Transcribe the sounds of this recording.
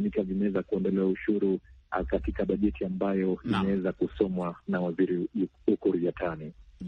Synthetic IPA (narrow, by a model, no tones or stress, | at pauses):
mikavimawɛzakuɛndɔlɛwauʃuɾṵkatikaɓaʄɛtiambajɔimɛwɛzakusɔmwanawaziɾi | ukuɾijatʰani